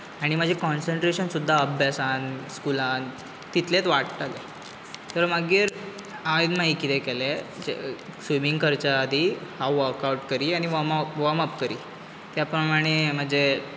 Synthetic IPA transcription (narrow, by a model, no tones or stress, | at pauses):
aɽ̃im̤əd͡ʑʱekɔnsəɳʈɾeɕənsud̪ʱːaəbʱjasanskulãn | t̪it̪let̪ʋaʈʈ̪ale | t̪əɾməɡiːɾ | aiɡ̪naɦikit̪ɛkɛled͡ʑḛsʋimiŋɡkəɾt͡ɕaːd̪ʱihaʋəɾkawʈkəɾiːaɽ̃iʋəmaʋəməpkəɾiː | t̪japɾəmaɽ̃em̤əd͡ʑe